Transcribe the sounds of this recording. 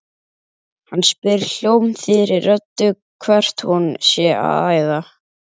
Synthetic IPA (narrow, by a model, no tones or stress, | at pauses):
hanːspɪɾl̥jowmθɪɾɪɾːœt̪ːʏ | kʰvɛr̥t̪hunsjɛa̰ðaːjða